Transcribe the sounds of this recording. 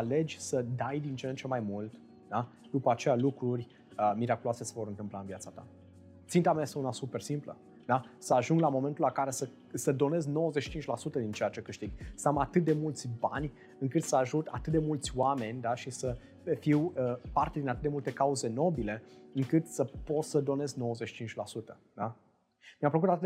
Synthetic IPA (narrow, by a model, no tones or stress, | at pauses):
ale̞d͡ʒʲsəd̪ajd̪int͡ʃeent͡ʃe̞majmult̪ | d̪a | d̪̥upəat͡ʃe̞jalukɾurʲ | əmiɾakuloase̞se̞vo̞ɾɨnt̪ɨmplaɨnvjat̪sat̪a̰ | t̪sint̪amajest̪eunasupe̞rsimplə̰ | d̪asəaʒuŋɡlamo̞me̞nt̪ulakaɾe̞sə | səd̪o̞ne̞zɡno̞wəzeʃi̥t͡ʃint͡ʃʲlasut̪əd̪int͡ʃe̞jat͡ʃe̞kɨʃt̪iɡsəamat̪ɨt̪̚d̪e̞mult̪sʲbanʲ | ɨŋkɨt̪səaʒut̪a̰t̪ɨt̪̚d̪e̞mult̪sʲwame̞nʲd̪aʃisə | fiwəpart̪ed̪inat̪ɨt̪d̪emult̪e̞kauze̞no̞bile̞ɨŋkɨt̪səpo̞t̪səd̪o̞ne̞zno̞woəzet͡ʃʃi̥t͡ʃint͡ʃʲlasut̪ə | d̪a | mijampfləkut̪at̪ɨt̪